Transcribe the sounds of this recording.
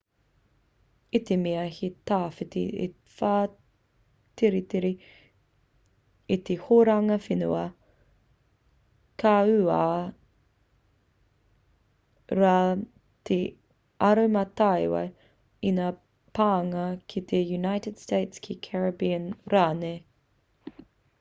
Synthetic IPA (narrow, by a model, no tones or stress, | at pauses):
it̪emiɐhit̪aːfɪt̪ḭḛ | faː | t̪ʰeɾit̪eɾi | it̪ehoɾaŋɐfinṵɐ | kʰaʉaː | ɾaː | t̪ʰe | ɐɾomɐt̪ajwɐ̰j | inaː | paːŋɐkʰit̪ʰejunajtɪd̥steɪtskʰikʰɛɹɐbiənɾaːne